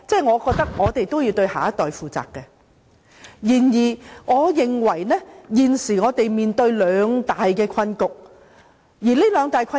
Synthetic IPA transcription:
t͡sɛː˥˩jŋɔː˨˧kɔː˧k̚t̪ɐ˥k̚ŋɔː˨˧t̪e˨jt̪o˥wjiː˧wt̪ɵ˧ɥha̰ː˨˩jɐ˦˥t̪ːɔː˨jfuː˨˩t͡sa̰ː˨kkːɛ˧ | jiː˨˩njiː˨˩ŋɔː˨˧jɪ˨ŋwɐ˨˩jnɛ˥jiː˨nsiː˨˩ŋɔː˨˧t̪e˨jmiː˨˩nt̪ɵ˧ɥlœː˨˧ŋt̪aː˨jkɛː˧kʰɐ˧nkʊ˨k̚ | jiː˨˩le˥lœː˨˧ŋt̪aː˨jkʷʰɐ˥

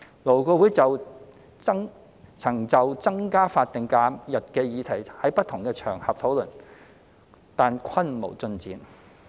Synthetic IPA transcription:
lo˨˩wkɔː˧wuː˨˥jt͡sɐ˨w | t͡sɐ˥ŋ | t͡sʰɐ˨˩ŋt͡sɐ˨wt͡sɐ˥ŋkaː˥faː˧t̚t̪ɪ˨ŋkaː˨˥mjɐ˨t̚kɛː˧jiː˨˧t̪ʰɐ˨˩jhɐ˨˥jpɐ˥t̚t̪ʰʊ˨˩ŋkɛː˧t͡ʃʰœː˨˩ŋhɐ̰˨p̚t̪ʰo˨˥wlɵ˨˩n | t̪aː˨nkʰɐ˥nmo̰˨˩wt͡sɵ˧nt͡sḭː˨˥n

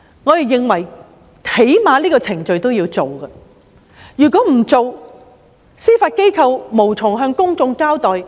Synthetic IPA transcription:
ŋɔ˨˧t̪e˨jɪ˨˧ŋwɐ˨˩j | he˨˥jmaː˨˧liː˥kɔː˧t͡sʰɪ˨˩ŋt͡ʃɵ˧ɥt̪o˥wjiː˧wt͡so˨wɡɐ˧ | jyː˨˩kɔː˨˥m̩˨˩t͡so˨˧w | siː˥faː˧t̚ke˥jkʰɐ˧wmo˨˩wt͡sʰʊ˨˩ŋɦœː˧ŋkʊ˥ŋt͡sʊ˧ŋkaː˥wt̪ɔː˨j

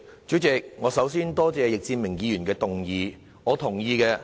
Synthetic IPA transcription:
t͡ʃyː˨˥t͡sɪ˨k̚ŋɔː˨˧sɐ˨˥wsiː˥nt̪ɔː˥t͡sɛː˨˧jɪ˨k̚t͡siː˧nmɪ˨˩ŋjiː˨˧jyː˨˩nkɛː˧t̪ʊ˨ŋjiː˨˧ | ŋɔː˨˧t̪ʰʊ˨˩ŋjiː˧kɛː˧

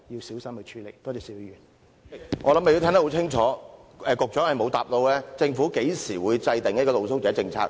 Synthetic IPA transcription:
ji˧wsiː˨˥wsɐ˥mhɵ˨˧jt͡ʃʰyː˨˥le˨˩jt̪ɔː˥˩ɔː˨˧siː˨˥wi˧ɥyː˨˩n | ŋɔː˨˧lɐ˨˥mːe˨ji˧t̪ʰɛ˥ŋt̪ho˧˥wt͡sʰɪ˥ŋt͡ʃʰɔː˨˦˥ɛː˨˧kʊ˨k̚t͡ʃœː˨˥ŋhɐ˨jmo˨˧wt̪aː˨p̚lo˧wlɛː˥t͡sɪ˧ŋfuː˨˥ke˨˥jsiː˨˩wuː˨˧jt͡sɐ˧jt̪ɪ˨ŋjɐ˥t̚kɔː˧t̪o˨˧ws̬ʊ˥wkɛː˨˥t͡sɪ˧ŋt͡sʰa̰ː˧k̚

